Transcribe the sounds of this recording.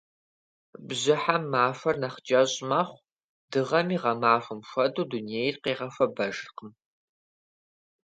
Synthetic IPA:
bʑɪħamːaːfɐrnɐχd͡ʒɐɕʼmaːχʷ | d̥ɨʁɐmiːʁɐmaːfɨmxʷɐduːduniejɪrqeːʁɐfɐbɐʒɨrqəm

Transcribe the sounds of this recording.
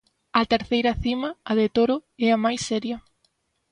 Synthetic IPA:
ɐt̪eɾθejɾɐθimɐːðet̪oɾʊɛɐmajsːɛɾjɐ

